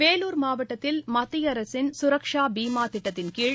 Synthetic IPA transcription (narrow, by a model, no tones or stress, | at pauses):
peːluːɾmaːʋɐʈːɐt̪ːɪlmɐt̪ːɪjɐɾɐsɪnsʊɾɐkʂaːbiːmaːt̪ɪʈːɐt̪ːɪnkiːɻ